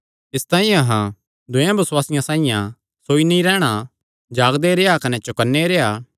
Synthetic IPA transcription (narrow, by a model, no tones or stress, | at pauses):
ɪst̪ãːĩjãɦã | d̪ʊjãbɐswaːsɪjãsãːɪ̃jã̰ | soːiniɾɛːɽ̃a | d͡ʒaːɡd̪eɾeːjakɐnɛt͡ʃʊkənːeɾeːaː